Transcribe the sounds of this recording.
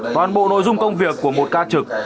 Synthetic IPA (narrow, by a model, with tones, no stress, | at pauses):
t̪wa̰ː˨˩nɓo̰˧˨no̰˧˨jzʊ˧ŋ͡mkə˧wŋ͡mvi˨˩əkːu˧˩əmo˨˩t̚kaː˧t͡ɕɨ˨˩k̚